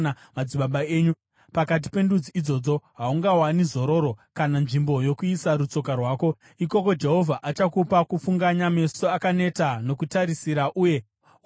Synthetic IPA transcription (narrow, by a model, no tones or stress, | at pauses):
mad͡ziɓaɓaeːɲu | pakat̬i̥pe̞ndud͡ziid͡zo̞ːd͡zo̞ɦauŋɡawanizo̞ɾo̞ːɾokananʐimbo̞jo̞kuisaɾut͡so̞karwaːko̞ | iko̞ko̞d͡ʒe̞ɦo̞vʱaʔat͡ʃakupakufuŋɡaɲame̞soakane̞tano̞kutaɾisiɾaʔuːje̞